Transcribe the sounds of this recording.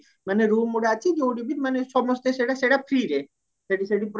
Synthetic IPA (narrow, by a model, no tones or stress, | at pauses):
maneɾumoɽeat͡ʃʰed͡ʑeoɖibiɾmaneʃɔmost̪eʃeʈaʃeʈafʰɾiɾe | ʃeʈiʃeʈipɾ